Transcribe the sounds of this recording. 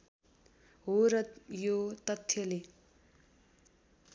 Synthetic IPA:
ɦoɾʌjot̪ʌt̪ʰːjʌle

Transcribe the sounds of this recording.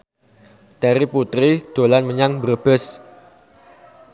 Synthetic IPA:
t̪ɛɾiput̪ɾid̥olanməɲaŋbərəb̥əs

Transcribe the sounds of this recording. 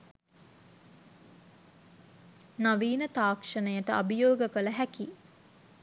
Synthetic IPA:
naʋiːnət̪aːkʂənəjəʈəʔabəjoːɡəkələɦæki

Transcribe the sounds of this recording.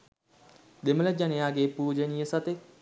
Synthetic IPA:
d̪emələd͡ʒanejaːɡeːpuːd͡ʒənijəsɐt̪e

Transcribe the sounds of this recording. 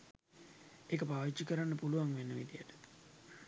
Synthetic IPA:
ekəpaːʋit͡ʃːikəɾanːəpuluʋaŋʋenːəʋḭd̪ijəʈə̥

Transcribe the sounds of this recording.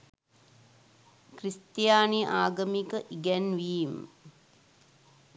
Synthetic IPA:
krist̪jaːniʔaːɡəmikəʔiɡɛnʋim

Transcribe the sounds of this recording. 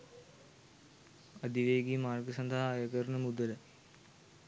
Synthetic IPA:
ɐd̪iʋeːɡimaːrɡəsɐnd̪ɐɦɐːjɐkɐɾɳəmud̪ələ

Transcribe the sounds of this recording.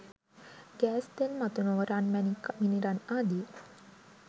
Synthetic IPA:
ɡ̥æːsd̪enmat̪unoʋəɾanmænikːminiɾanaːd̪i

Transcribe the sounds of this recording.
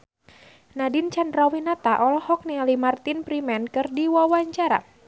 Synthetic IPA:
nadint͡ʃandrawinat̪aʔɔlɔhɔk̚nialimart̪inpɾimɛnkɨrdiwawaɲt͡ʃaɾa̰

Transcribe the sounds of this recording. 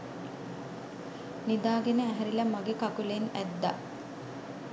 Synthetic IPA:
nid̪aːɡenəæɦɛɾilɐmaɡekakulenæ̰d̪ːa̰

